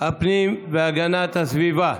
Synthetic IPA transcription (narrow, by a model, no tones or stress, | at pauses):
ɐpniʋaɡanat̪ɐsʋiːba